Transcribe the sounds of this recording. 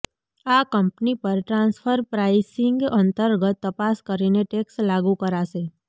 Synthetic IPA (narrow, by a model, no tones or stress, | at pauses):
akəmpnipəɾʈɾãnsfʰəɾpɾaisɪŋɡənt̪əɾɡət̪ːəpaskəɾineʈekslaɡũkəɾaʃe